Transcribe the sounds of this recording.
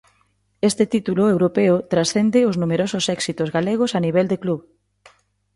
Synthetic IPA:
est̪ɪt̪it̪ulʊewɾopeʊt̪ɾasθend̪ɪʊznumeɾosʊsɛksit̪ozɣaleɣ̞ʊsaniβɛld̪ekluβ

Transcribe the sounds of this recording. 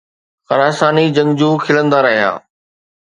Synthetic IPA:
xɐɾaːsaːnid͡ʑɐ̃ŋd͡ʑũːkʰɪlə̃nd̪aɾɐɦija̰ː

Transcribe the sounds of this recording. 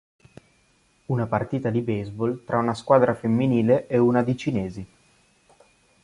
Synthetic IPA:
unapart̪iːt̪ad̪ibezbolt̪ɾʔaunaskwaːd̪ɾafemːiniːleʔeunad̪it͡ʃineːzi

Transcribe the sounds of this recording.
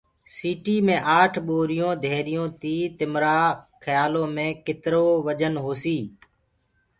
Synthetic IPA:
siːʈiːmẽːʔaːʈʰɓoːɾɪjõːd̪ʱeːɾɪjõːt̪iːt̪ɪmɾaːkʰəjaːlõːmẽːkɪt̪ɾoːʋəd͡ʒənɦoːsiː

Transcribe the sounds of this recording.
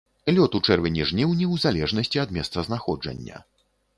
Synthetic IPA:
lʲɔt̪ut͡ʂɛrvʲɛnʲɛʐnʲiwnʲɛwzalʲɛʐnɐsʲt͡sʲiɐd̪mʲɛst̪sɐznaxɔd͡ʐɐ̰nʲːɐ̰

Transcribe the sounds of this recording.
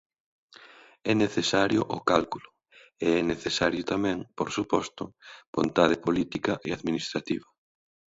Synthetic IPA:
ɛneθesaɾjʊʔʊkalkulʊ | eɛneθesaɾjʊt̪amɛ̃ŋpoɾsupɔst̪ʊb̥ont̪aðɪpolit̪ikɐʔeaðminist̪ɾat̪iβɐ

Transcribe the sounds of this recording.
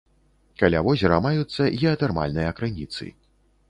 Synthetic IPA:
kalʲavɔzʲɛɾɐmajut̪sːɐʔiɐt̪ɛrma̰lʲnɨjɐkɾɨnʲit̪sɨ̰

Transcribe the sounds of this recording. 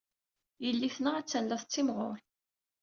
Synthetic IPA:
jəlːiθnaæt͡sːænlæθˤt͡sːimʁo̰ɾˤ

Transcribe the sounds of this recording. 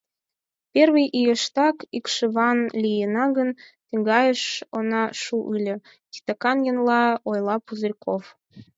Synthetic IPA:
pʲerβijʔijəʃt̪ɑkikʃə̆βɑnlʲijənɑɣən | t̪əŋɡɑjəʃonɑʃuʔɨlʲə̆ | t̪i̥t̪əkɑnjə̆nlɑojlˠɑpuzərʲkʰof

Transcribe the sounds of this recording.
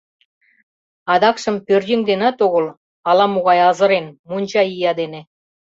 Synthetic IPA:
ɑd̪ɑkʃɤ̆mpørʲdʲiŋd̪enɑt̪oɣɤ̆l | ɑlɑmuɣɑjɑzɤ̆ɾenmunʲt͡ɕɑijɑd̪enĕ

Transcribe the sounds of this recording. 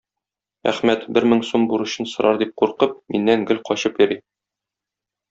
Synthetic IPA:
æ̰χmæt̪bɘɾmɘŋsombuɾɤ̆ɕɤnsɤ̆ɾʔɑɾd̪ip̚quɾqɤp̚mʔḭnːæŋɡɘlqɒɕɤpjɤ̆ɾi

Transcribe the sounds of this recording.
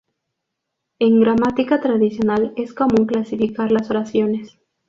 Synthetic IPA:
e̞ŋɡɾamat̪ikat̪ɾaðisjo̞nale̞sko̞mũŋklasifikaɾlasoɾasjo̞ne̞s

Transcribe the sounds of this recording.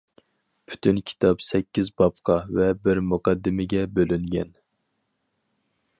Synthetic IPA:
pʰy̥t̪ʰynkʲʰi̥t̪ʰɑpsɛkʲːizbɑp̚qʰɑvɛbɪɾmuqɑd̪ːɪmɪɡʲɛbølyŋɡʲɛn

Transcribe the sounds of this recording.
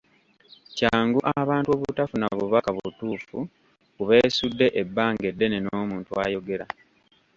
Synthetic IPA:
caːŋɡuʔaβaːntwo̞ːβutafunaβuβakaβutuːfu | kuβe̞ːsudːe̞ʔebːaːŋɡe̞dːe̞nenoːmuːntuaːjo̞ɡe̞ɾa

